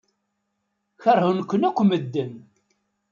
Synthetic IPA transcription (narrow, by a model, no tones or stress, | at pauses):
çəɾhʊnkʷːənækʷːməd̪ːən